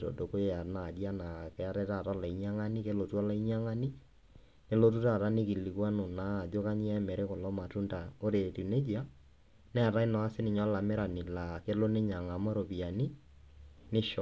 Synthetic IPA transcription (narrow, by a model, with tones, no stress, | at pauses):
to̰˨do˨ko˦a˨na˨dja˦na˨kɛ˨a˦ɾɛ˦ta˦˨ta˦la˨i˨ɲa˦ŋa˦ni˦ke˦lo˨tu˦a˦la˦i˦ɲ˦a˦ŋa˦ni˦ | ne˦lo˦tu˦ta˦˨ta˦nɪ˦ki˨li˨kwa˦no˨na˦˨d͡ʒo˦ka˦ɲi˦ɛ˦mɛ˨ɾɛ˦kɔ˨lɔ˦ma˨tu˦nda˨o˦ɾe˨ti˨ne˦d͡ʒi˦a˦ | nɛ˦˨ɾa˦i˦nɔ˨a˦sɪ˦nɪ˨ɲɔ˦la˨mɪ˦ɾa˨nɪ˨la˨ke˦lo˦ne˦ɲa˨ŋa˨mɔ˦ɾo˨pi˨a˨ni˦ | nɪ˦ʃɔ˨